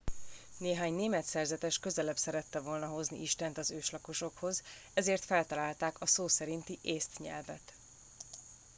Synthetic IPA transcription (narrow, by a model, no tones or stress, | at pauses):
neːɦaːɲneːmɛt̪sɛrzɛt̪ɛʃkø̞zɛlɛbsɛɾɛt̪ːɛvo̞lnɒɦo̞znḭʔiʃt̪ɛnt̪ɒzøːʃlɒko̞ʃo̞kho̞z | ɛzeːrt̪fɛlt̪ɒlaːlt̪aːkɒsoːsɛɾint̪iʔeːst̪ɲɛ̰lvɛ̰t̪